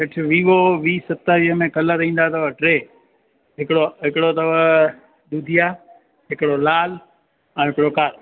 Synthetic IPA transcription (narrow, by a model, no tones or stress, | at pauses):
ɦɪʈʰɪʋiːʋoʋiːsɐt̪aʋiɦəmẽkɐləɾĩːn̆d̪at̪ɐʋəʈɾeː | ɦɪkɪɽoɦɪkɪɽot̪ɐʋə | d̪ud̪ʱija | ɦɪkɪɽolaːl | ɛ̃ːɦɪkɪɽokaːɾ